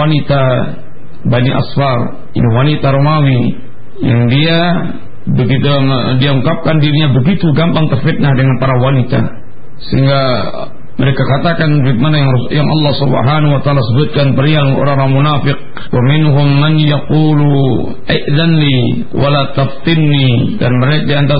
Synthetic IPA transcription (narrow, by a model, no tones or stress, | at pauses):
anit̪a | baniʔa̰sfar | ḭniwanit̪aɾomawi | ja̰ŋdia | bəɡit̪udiauŋkap̚kandiɾiɲabəɡit̪uɡampaŋt̪ərfɪt̪̚nahdəŋanpaɾawanit̪a̰ | səɦḭŋɡa | məɾekakat̪akanbk̪̚manajajaŋɑ̰lːɑhsubə̰ɦanuwat̪aːlasəbʊt̪̚kanpərialŋno̰ɾaŋɾaŋmunafɪq̚ | wamɪnɦʊmːanjaqulu | ʔaʔðanli | wʔa̰lat̪aft̪ɪnnidanməɾekadiant̪a